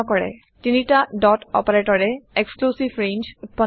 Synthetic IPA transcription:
ɔkɔɹɛ̰ | tinitaɖɔtɔ̰paɹeʈɔɹɛeksklusibɹend͡ʒpɔ

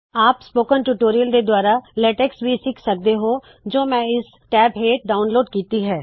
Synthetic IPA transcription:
aːpspoːkənʈuʈoːɾijəld̪ed̪waːɾalɛːʈɛksbʱisɪkʰsɐk̚d̪eɦoː | d͡ʒoːmɛ̃ːɪs | ʈɛːbɦeːʈ̚ɖaːʊnloːɖkiːt̪iɦɛː

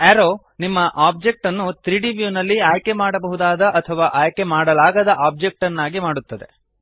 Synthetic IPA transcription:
æɾoː | nimːɐʔaːb̚d͡ʒe̞k̚ʈɐnːut̪ɾiːɖiʋjuːnɐlːiaːjkemaːɽɐbɐɦud̪aːd̪ɐʔɐt̪ʰɐʋaːʔaːjke̞maːɽɐlaːɡɐd̪ɐʔaːb̚d͡ʒek̚ʈɐnːaːɡimaːɽut̪ːɐd̪ḛ

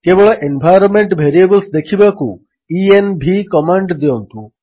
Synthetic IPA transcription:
kebɔɭɔʔenbʱajɾɔnmeɳʈbʱeɾiebəlsd̪ekʰibaku | ienbʱikɔmaɳɖd̪eont̪u

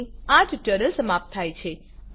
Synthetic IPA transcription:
ãd͡ʒʈənəlsəmap̚t̪ʰːajt͡ʃʰe

